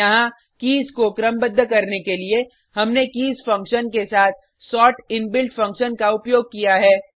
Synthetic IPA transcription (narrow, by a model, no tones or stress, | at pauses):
ɐɦã | kiːzkokɾəmbəd̪ʱːəkɐɾnekelie | hɐmnekiːzfɐ̃ŋkʃənkesaːt̪̚ʰ | sɔːʈɪnbɪlʈfɐ̃ŋkʃənkaʊpjoːɡ̚kijaɦɛː